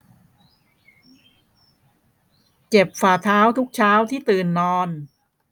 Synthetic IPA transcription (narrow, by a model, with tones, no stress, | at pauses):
t͡ɕe˨˩p̚faː˨˩t̪ʰaː˦˥wt̪ʰu˦˥k̚t͡ɕʰaː˦˥wt̪ʰiː˥˩t̪ɯː˨˩nːɔː˧n